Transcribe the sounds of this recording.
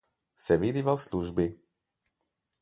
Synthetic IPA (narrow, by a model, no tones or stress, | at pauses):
sɛʋid̪ivalsluʒbi